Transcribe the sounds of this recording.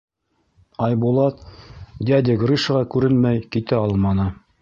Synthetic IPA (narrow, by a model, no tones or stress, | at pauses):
ɑjbulˠɑt̪d̪ʲæd̪ʲɘɡriʃɤʁɑkʉɾɘnmæjkit̪æɑlˠmɑnɤ